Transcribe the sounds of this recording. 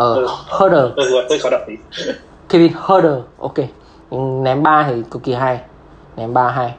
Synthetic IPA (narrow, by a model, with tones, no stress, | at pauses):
ʔəː˨˩˧həː˧ɗəː˨˩˧ɔ˧˨t̪ə˧xɔ˨˦ɗa̰˧˨i˨˦ | ki˧i˧˩həː˧ɗə˨˩ʔo̰˧ke˧ | ɲ˧nɛ˨˦mɓaː˧t̪ʰi˨˩ko˧wki˧ɦaː˧j | nɛ˨˦mɓaː˧ɦaː˧j